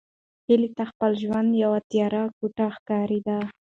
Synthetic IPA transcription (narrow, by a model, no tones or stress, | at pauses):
hilit̪axpəlʒwand̪jawat̪jɑɾakoʈaxkɑɾid̪a